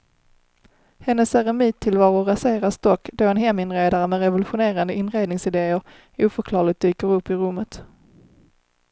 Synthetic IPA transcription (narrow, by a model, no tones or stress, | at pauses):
hɛnːəsæɾɛmiːt̪ʰːɪlvɑːɾʊɾaseːɾast̪ɔkːd̪oɛnɦɛmːɪnɾeːd̪aɾəmɛɾɛvəlɵɧʊneːɾand̪əʔɪnɾeːd̪nɪŋsɪd̪eːəɾ | uːfœɾkʰlɑːɭɪɡ̚t̪̚d̪yːkəɾɵpːɪɾɵmːət̪